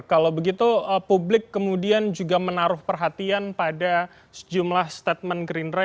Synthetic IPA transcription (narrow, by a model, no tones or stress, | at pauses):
kalabəɡit̪uəpublɪkːəmudiand͡ʒuɡamənaɾʊhpərɦat̪ianpada | sə̥d͡ʒumlahst̪at̪̚mənɡɾinra